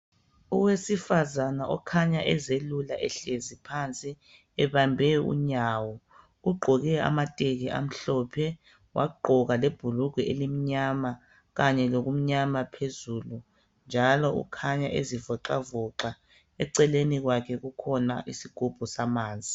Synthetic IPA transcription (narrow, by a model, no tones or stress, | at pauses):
uwesifazanaʔɔkʰaɲaʔɛzelulaʔɛɬezipʰant͡sʼi | ɛβambʱɛṵɲaːwɔ | uɡ͡ǃʱɔɣɛa̰matʼeɣɛʔa̰m̩ɬɔpʰɛ | wʔa̰ɡ͡ǃʱɔɣaleb̥ʱuluɡʱɛelim̩ɲama | ɣaɲɛloɣum̩ɲamapʰezulu | nd͡ʒʱalɔṵkʰaɲaʔezivɔǁavɔǁa | ɛǀɛleniɣwakʰɛɣukʰɔnaʔisiɡ̥ʱub̥ʱusamaːnd͡zʱi